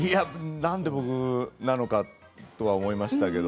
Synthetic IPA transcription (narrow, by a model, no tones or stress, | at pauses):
ianãnd̪e̞bo̞kɯ̟nano̞ka | t̪o̞βaomo̞imaɕi̥t̪ake̞d̪o